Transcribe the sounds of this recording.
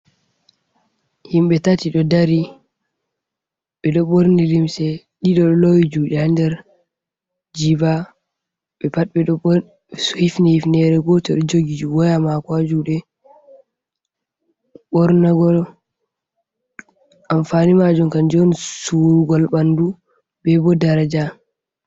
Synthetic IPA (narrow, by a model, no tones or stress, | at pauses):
himɓɛtatiɗɔdaɾi | ɓɛɗɔɓoɾnilimsɛ | ɗiɗɔɗɔlowid͡ʒuːɗɛandɛɾ | d͡ʒiba | ɓɛpat̚ɓɛɗɔ | suhifnihifnɛɾɛɡɔtɔɗɔd͡ʒoɡid͡ʒuwɔjamakwad͡ʒuɗɛ | ɓɔɾnaɡɔl | ʔamfanimad͡ʒunkand͡ʒɔnsuɾuɡɔlɓandu | bɛbɔdaɾad͡ʒa